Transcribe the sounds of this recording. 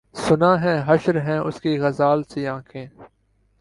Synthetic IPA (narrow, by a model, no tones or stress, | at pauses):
sʊnãːɦɛ̃ːɦəʃɾɦɛ̃ːʔʊskiːɣɐzaːlseːãːkʰẽː